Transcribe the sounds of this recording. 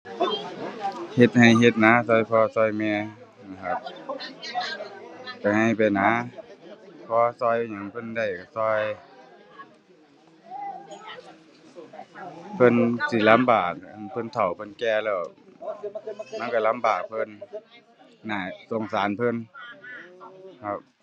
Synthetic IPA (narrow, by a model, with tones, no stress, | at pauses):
he˧t̪̚ha˨˩jɦe˧t̪̚na˧˥sɔː˧˩˨jpʰɔː˧sɔː˧˩jmɛː˧ | a˧˩kʰa˧˩t̪̚ | t͡ɕa˧˩ŋha˧˩jpa˨jna˧˥ | pʰɔː˧˦sɔː˧˩jɲa˧˩ŋpʰɤ˧˥˨nda˧˩jka˧˩sɔː˧˥˨j | pʰɤ˧˨nsi˧˩˨la˧˥˨mbaː˨˩k̚a˧˨npʰɤ˧˥˨nt̪ʰa˨˩wpʰɤ˧˥˨nkɛː˧lɛː˧˩w | ma˧˥˨nka˧˩la˧˥mbaː˨˩k̚pʰɤ˧˥˨nː | aː˧˩so˨˧˩ŋsaː˨˦npʰɤ˧˥˨n | kʰa˧p̚